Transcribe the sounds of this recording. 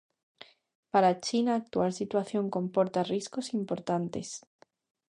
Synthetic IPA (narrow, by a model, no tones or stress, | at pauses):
paɾat͡ʃinaːk̚t̪ualsit̪waθjo̞ŋkõ̞mpo̞ɾt̪arisko̞simpo̞ɾt̪ant̪e̞̰s